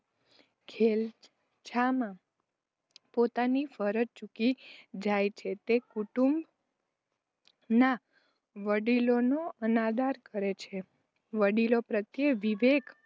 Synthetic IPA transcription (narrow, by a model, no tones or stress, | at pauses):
kʰel | t͡ʃʰamã | pot̪anifəɾət̪̚t͡ʃukid͡ʒajt͡ʃʰet̪ekuʈumb | na | ʋəɖilonoənad̪aɾkəɾet͡ʃʰe | ʋəɽilopɾət̪jeʋiʋek